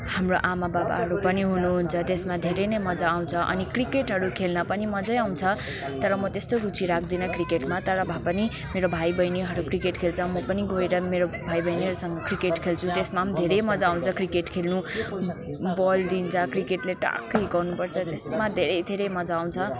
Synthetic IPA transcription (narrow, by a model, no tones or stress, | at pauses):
hamroʔamababa̰ɦʌɾupʌniɦunuɦunt͡sʰʌt̪esmad̪ʱeɾʌjnʌjmʌd͡zaːw̃t͡sʰʌʔʌ̰nikrikeʈɦʌɾukʰelnʌpʌnimʌd͡zʌjaw̃nt͡sʰʌt̪ʌɾʌmʌt̪est̪oɾut͡siɾakʰd̪inʌkrikeʈmat̪ʌɾʌbʱapʌni | meɾobʱajbʌjniɦʌɾukrikeʈkʰelt͡sʰʌmʌpʌniɡoeɾʌmeɾobʱajbʌjniɦʌɾusʌŋɡʌkrikeʈkʰelt͡sʰut̪esmad̪ʱeɾʌjmʌd͡zãːw̃t͡sʰʌkrikeʈkʰelnu | bʌld̪int͡sʰʌkrikeʈleʈa̰kːʌjɡʌwnupʌrt͡sʰʌt̪esmad̪ʱeɾʌjd̪ʱeɾʌjmʌd͡zaːw̃nt͡sʰʌ